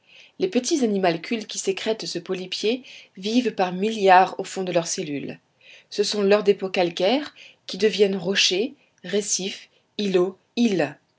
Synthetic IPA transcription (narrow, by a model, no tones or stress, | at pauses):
lepət̪̬izanimalkʲʰylkʲisekχɛt̪səpɔlipjevivpaʁmiljaʁofɔ̃d̪əlœʁselyl | səsɔ̃lœʁd̪epokalkʲɛʁkʲid̪əvjɛnʁɔʃe | ʁesif | ilo | il